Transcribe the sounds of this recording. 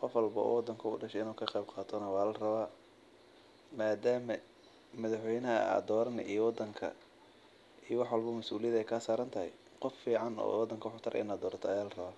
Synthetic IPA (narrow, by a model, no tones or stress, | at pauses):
qɔfwɑlbɐ̰ɔ̰wɑd̪ːɐŋkʰɐʊɖɐʃɛɪnuːkʰɐqɛjbqɑːt̪ʰɔnɐwɑaːlɐrɐβaː | maːd̪aːmɐ | mɐðɑħwɛjnɐɦɐ̰a̰d̪ɔːɾɐn̰ʔijɔwɑd̪ːɐŋkʰɐ̰ | ijɔwɑħwɑlbɐmɐsuːlɪjɐðɛjkʰaːsaːɾɐnt̪ʰɐɦɛ̰j | qɔfːiːʕɑnɔ̰ːwɑd̪ːɐŋkʰɐħʊt̪ʰɐɾʔɛ̰naːd̪ɔːrt̪ʰɔɐjaːlɐrɐβaː